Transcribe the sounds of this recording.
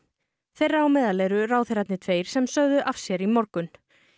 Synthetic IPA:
θejrːaːwmɛːðalɛːɾʏɾaːwθeɾat̪nɪt̪ʰveːjɾ̥sɛmsœɣðʏʔafsjɛɾimɔɾkʏn

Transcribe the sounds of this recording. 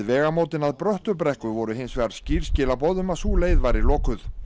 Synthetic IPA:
ðvɛːɣamoːwt̪ɪnaðpɾœht̪ʏɾpɾɛhkʏvɔɾʏɦɪnsvɛɣaɾ̥sciːɾ̥scɪːlapɔðʏmasuːleːjðvajɾɪlɔːkʏθ

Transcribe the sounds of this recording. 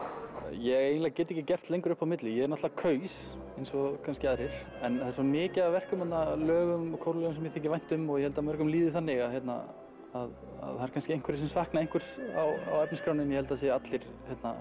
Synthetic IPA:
jɛɣejnlɛɣcɛːt̪ɪejcɪcɛr̥t̪lejŋkʏɾʏhpawmɪt̪lɪjɛɣɛɾnat̪aakʰœːɥs | ejnsɔkʰanscɪaðɾɪɾ̥ | ɛnasɔmɪːcavɛr̥kʏmhɛt̪nalœːɣʏmɔkʰowɾlœːɣʏms̬ɛmjɛθehkcːɪvajn̥t̪ʏmɔɣjɛhɛlt̪amœɾ̥kʏmliːðɪθanːɪɣaðɦçɛt̪na̰ | að | a̰ðθaɛɾkʰanscɪejŋ̥kvɛɾɪsɛmsahknaejŋ̥kʰʏɾ̥sa̰wa̰wɛpnɪskɾawnɪnjɛhɛlt̪aðseːaat̪lɪɾ̥ | hɛt̪na̰

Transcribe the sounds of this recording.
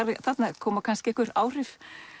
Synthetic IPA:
aɾɪθat̪nakʰɔːmakʰanskcɪɛhkʏɾaːwr̥ɪf

